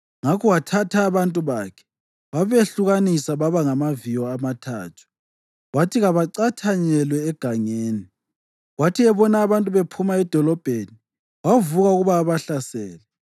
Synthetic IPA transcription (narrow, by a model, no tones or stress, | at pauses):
ŋakʰɔwatʰatʰaːβantʼuβaːkʰɛ̥ | waβeɬuɣanisaβaβaŋamavijɔamatʰa̰ːtʰu̥ | ɣwatʰiɣaβaǀatʰaɲɛlwɛːɡ̥ʱaŋeːni | ɣwatʰiɛβɔnaːβantʼuβepʰumaɛd̥ʱɔlɔb̥ʱeni | wavuɣauɣuβaːβaɬasɛːlɛ